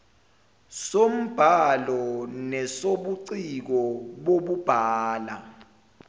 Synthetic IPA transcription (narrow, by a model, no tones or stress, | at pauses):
som̩b̥ʱalɔnɛsoɓuǀik̬ɔɓoɓub̥ʱaːla